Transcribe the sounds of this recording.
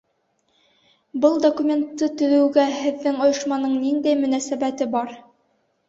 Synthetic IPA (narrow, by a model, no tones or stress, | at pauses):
bɤlˠd̪okumʲe̞nt̪ːɤt̪ɵ̆wɘ̆wɡæhɘ̆ðːɘŋŏjɤ̆ʃmɑnɤɴnind̪æjmɵ̆næsæbæt̪ɘbɑɾ